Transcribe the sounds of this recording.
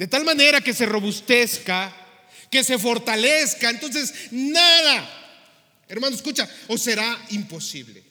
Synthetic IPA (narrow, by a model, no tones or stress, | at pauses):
d̪̥e̞t̪almãne̞ɾake̞se̞ro̞βust̪e̞ska | ke̞se̞fo̞ɾt̪ale̞skaent̪o̞ns̬e̞snaða | eɾmanoseskut͡ʃaose̞ɾaimpo̞sḭβlḛ